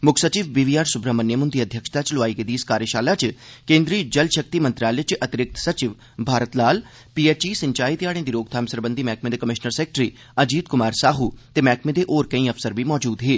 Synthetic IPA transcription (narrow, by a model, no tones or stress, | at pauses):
mʊkʰsət͡ʃiːʋbiːʋiːaːɾsʊbɾaːmənːjemʊnd̪iːəd̪ʱjəkʃt̪at͡ʃloaːiːked̪iːskaːɾjəʃaːlaːt͡ʃkẽːnd̪ɾiːd͡ʒəlʃək̚t̪iːmənt̪ɾjaːlet͡ʃʔət̪ɪɾɪk̚t̪sət͡ʃɪʋ | bʱaːɾət̪laːl | piːeːt͡ʃiːsəɲt͡ʃaːit̪jaːɽẽːd̪iːɾoːɡ̚t̪ʰaːmsəɾbə̃nd̪iːmɛːkmeːd̪eːkəmɪʃnəɾseːk̚ʈɾiː | əd͡ʒiːd̪kʊmaːɾsaːɦuːt̪eːmɛːkʰmẽːd̪eʔoːɾkəĩːəfsəɾbiːmɔːd͡ʒuːd̪ɦeː